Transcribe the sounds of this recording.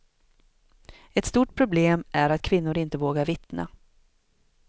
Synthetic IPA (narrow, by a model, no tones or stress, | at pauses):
ɛt̪st̪uːʈ̚pʰɾʊbleːmʔæɾat̪kʰvɪnːʊɾɪnt̪əvoːɡaɾvɪt̪na̰